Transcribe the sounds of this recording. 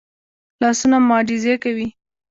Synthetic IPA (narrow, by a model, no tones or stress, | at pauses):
lɑsunamɑɖizekawi